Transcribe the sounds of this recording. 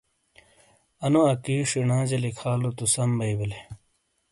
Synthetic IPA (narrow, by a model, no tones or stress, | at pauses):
ɐnuɐkiːʂinãːd͡ʑɐlikʰaːlut̪usɐmbɐibile